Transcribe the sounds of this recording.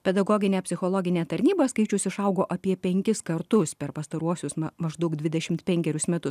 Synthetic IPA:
pʲɛd̪ɐɡoːɡʲɪnʲeːpʲsʲɪxoːlˠoːɡʲɪnʲeːt̪ɐɾʲnʲiːbɐskɐɪt͡ʃʲʊsɪʃɐʊɡoːʔɐpʲiɛpʲɛŋʲkʲɪskɐɾt̪ʊspʲɛɾpɐst̪ɐɾuɔsʲʊsɐmɐʒd̪ɐʊk̚d̪ʲʋʲɪd̪ʲɛʃʲɪmt̪pʲɛŋʲkʲɛɾʲʊsmʲɛt̪ʊs

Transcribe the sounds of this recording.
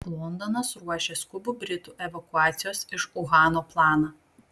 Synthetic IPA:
lˠɔnd̪ɔnɐsɾuɔʃʲeskʊbʊbʲɾʲɪt̪uːʔɛʋɐkʊɑːt̪sʲɪjoːsɪʃʊɣɑːnoːplˠɑːnɐ

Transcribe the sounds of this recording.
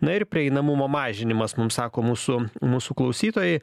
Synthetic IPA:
nɐɪrpʲɾʲɪɛɪnɐmʊmoːmɑːʒʲɪnʲɪmɐsmʊmsɑːkoːmuːsʊmuːsuːklˠɐʊsʲiːt̪oːjɛɪ

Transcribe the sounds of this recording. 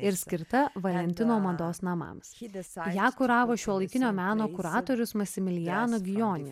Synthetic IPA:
ɪɾsʲkʲɪɾt̪ɐʋɐlʲɛnʲt̪ʲɪnoːmɐd̪oːsnɐmɐ̰msjæːkʊɾɑːʋoːʃʲuɔlˠɐɪkʲɪnʲoːmʲæːnoːkʊɾɑːt̪oːɾʲʊsmɐsʲɪmʲɪlʲɪjæːnoɡʲɪjoːnʲɪ

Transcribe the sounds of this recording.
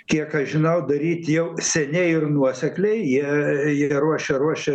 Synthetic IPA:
kʲiɛkɐʃʒʲɪnɐʊd̪ɐɾʲiːt̪ʲjɛʊsʲɛnʲɛɪɪrnuɔsʲɛklʲɛɪjiɛjiɛɾuɔʃʲɛɾuɔʃʲɛ

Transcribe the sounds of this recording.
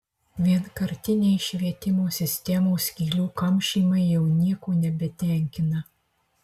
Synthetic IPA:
ʋʲiɛnkɐɾʲt̪ʲɪnʲɛɪʃʲʋʲiɛt̪ʲɪmoːsʲɪsʲt̪ʲɛmoːsʲkʲiːlʲuːkɐmʲʃʲiːmɐɪjɛʊnʲiɛkoːnʲɛbʲɛt̪ʲɛˑŋʲkʲɪnɐ

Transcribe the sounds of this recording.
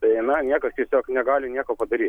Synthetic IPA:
t̪ɐɪnɐnʲiɛkɐst̪ʲiɛsʲoːknʲɛɡɑːlʲɪnʲiɛkoːpɐd̪ɐɾʲiːt̪

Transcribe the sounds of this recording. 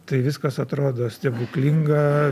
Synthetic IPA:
t̪ɐɪʋʲɪskɐsɐt̪ɾoːd̪oːsʲt̪ʲɛbuːklʲiŋɡɐ

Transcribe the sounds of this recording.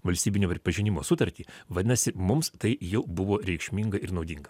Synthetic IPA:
ʋɐlʲsʲt̪ʲiːbʲɪnʲoːpʲɾʲɪpɐʒʲɪnʲɪmoːsʊt̪ɐɾʲt̪ʲiːʋɐd̪ʲɪnɐsʲɪmʊmst̪ɐɪjɛʊbʊʋoːɾʲɛɪkʃʲmʲiŋɡɐɪɾnɒʊd̪ʲɪŋɡɐ

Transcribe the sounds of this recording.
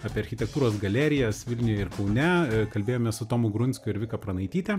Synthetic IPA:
ɑːpʲeːɐɾʲxʲɪt̪ʲɛk̚t̪uːɾoːsɡɐlʲæːɾʲɪjɛsʋʲɪlʲnʲɪjɛɪɾkɐʊnʲɛkɐlʲbʲeːjoːmʲɛsʊt̪oːmʊɡɾʊnʲsʲkʲʊɪɾʋʲɪkɐpɾɐnɐɪt̪ʲiːt̪ʲɛ

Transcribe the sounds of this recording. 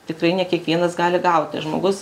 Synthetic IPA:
t̪ʲɪkrɐɪnʲɛkʲiɛkʋʲiɛnɐsɡɑːlʲɪɡɐʊt̪ʲɪʒmo̰ːɡʊs

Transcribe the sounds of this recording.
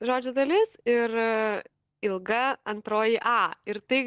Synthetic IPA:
ʒoːd͡ʒʲʊd̪ɐlʲɪsɪɾ | ɪlˠɡɐɐnt̪ɾoːjɪʔɑːɪɾt̪ɐɪ

